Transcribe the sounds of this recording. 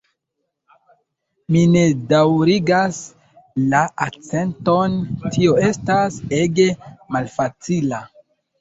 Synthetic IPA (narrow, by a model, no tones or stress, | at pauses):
mine̞dawɾiɡas | laʔakt͡se̞nto̞ntio̞e̞stase̞ɡemalfat͡sila